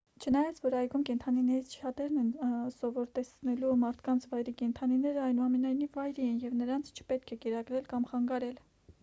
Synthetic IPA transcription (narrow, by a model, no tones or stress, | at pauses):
t͡ʃʰənɑjɑt͡sʰvɔɾɑjɡumkɛnt̪ʰɑninɛɾit͡sʰt͡ʃʰɑt̪ɛɾnɛnsɔvɔɾt̪ɛsnɛlumɑɾt̪ʰkɑnt͡sʰvɑjɾikɛnt̪ʰɑninɛɾəɑjnuɑmɛnɑjnivːɑjɾiɛnjɛvnəɾɑnt͡sʰt͡ʃʰə̥pɛt̪̚kʰɛkɛɾɑɡɾɛlkɑmχɑŋɡɑɾɛl